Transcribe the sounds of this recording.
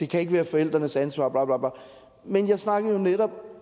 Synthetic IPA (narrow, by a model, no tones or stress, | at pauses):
d̥e̝kʰæe̝ɡ̥əʋæːɐfɒ̽el̰d̥ʁɐnəsænsʋɑ̰̈ːb̥lɑ̈b̥lɑ̈b̥lɑ̈ | menjɑ̈ɪsnɑ̈ɡ̥ð̩ˠjo̝neɾ̥ɒ̽b̥